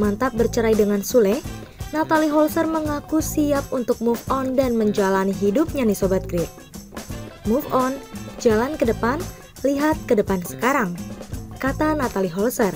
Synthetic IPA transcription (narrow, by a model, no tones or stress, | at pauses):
mant̪ap̚bərt͡ʃəɾajdəŋansulɛhnat̪aliɦɔlsərməŋakusiap̚unt̪ʊk̚mufɔndanməɲd͡ʒalaniɦidʊp̚ɲadisobat̪̚ɡɾɪt̪̚ | mufɔnd͡ʒalankədəpan | liɦat̪̚kədəpansə̥kaɾaŋkat̪anat̪aliɦɔlsər